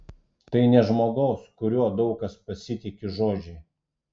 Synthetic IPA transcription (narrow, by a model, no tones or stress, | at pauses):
t̪ɐɪnʲɛʒmoːɡɒʊskʊɾʲuɔd̪ɒʊkɐspɐsʲɪt̪ʲɪkʲɪʒoːd͡ʒʲɛɪ